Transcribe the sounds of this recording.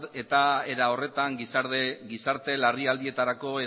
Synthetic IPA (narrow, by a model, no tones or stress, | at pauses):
e̞t̪ae̞ɾao̞re̞t̪aŋɡisɡisaɾt̪e̞lariald̪ie̞t̪aɾako̞e